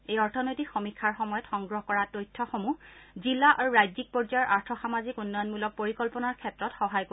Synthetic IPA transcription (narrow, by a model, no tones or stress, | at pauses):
ejɔɹtʰɔnojtikxɔmikʰːaɹxɔmɔjɔtxɔŋɡɹɔɦɔkɔɹatojtʰːɔxomuzilːaʔaɹuɹajzik̚pɔd͡ʒajɔɹʔaɹtʰɔxamazikunːɔjɔnmulɔk̚poɹikɔlpɔnaɹkʰɛtɹɔtxɔɦajko